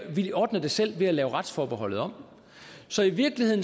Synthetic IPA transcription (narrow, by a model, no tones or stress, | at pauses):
ʋiɒːd̥nɐd̥e̝sel̰ʋe̝ælɛːʊʁad̥sfɒːb̥e̝ɦɒ̽l̰ð̞̩ˠɒ̽m̰ | sɒ̽iʋiɐɡ̥lihe̝ð̰ˠn